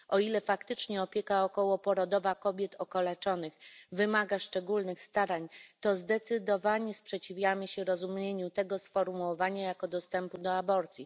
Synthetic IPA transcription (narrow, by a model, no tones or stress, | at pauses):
ɔilɛfakt̪ɘt͡ʂɲɛɔpʲjɛkaɔkɔwɔpɔɾɔd̪ɔvakɔbʲjɛt̪ʰɔkɔlɛt͡ʂɔnɘxvɘmaɡaʂt͡ʂɛɡulnɘxst̪aɾaɲt̪ɔzd̪ɛt̪sɘd̪ɔvaɲɛspʂɛt͡ɕivʲjamɘɕɛɾɔzumɲeɲut̪ɛɡɔsfɔɾmuwɔvaɲajakɔd̪ɔst̪ɛmpud̪ɔabɔɾt̪sʲji